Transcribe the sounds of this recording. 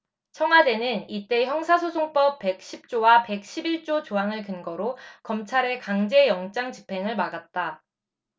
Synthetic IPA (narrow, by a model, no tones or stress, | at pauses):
t͡ɕʰʌŋɦwade̞nɯnit͈e̞çjʌŋsʰasʰosʰoŋp͈ʌp͈̚ːe̞k̚ɕ͈ʰip̚t͡ɕ͈owape̞k̚ɕ͈ʰibiɭt͡ɕ͈ot͡ɕoɦaŋɯɭkɯnɡʌɾokʌmt͡ɕʰaɾe̞kaŋd͡ʑe̞jʌŋt͡ɕ͈aŋt͡ɕi̥pʰe̞ŋɯɭmaɡat̚t͈a